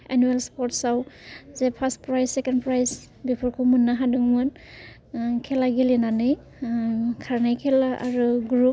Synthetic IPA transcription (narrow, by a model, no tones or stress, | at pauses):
enuelspɔɾtsawzepʰast̚pɾajsːekenpɾajs | bipʰɔɾkʰumunːaɦadɯŋmɯn | kʰelaɡilenanɯj | kʰaɾnajkʰelaʔaɾuɡɾup̚